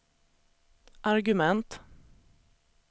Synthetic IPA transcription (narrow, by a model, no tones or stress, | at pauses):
ʔaɾɡɵmɛnt̪